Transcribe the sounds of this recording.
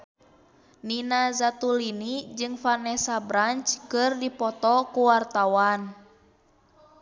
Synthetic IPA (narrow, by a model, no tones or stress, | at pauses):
ninazat̪ulinid͡ʒɨŋfanɛsabɾant͡ʃkɨrdipɔt̪ɔkuwart̪awan